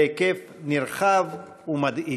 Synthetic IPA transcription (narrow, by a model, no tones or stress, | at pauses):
ekef | niɾχav | umad̪i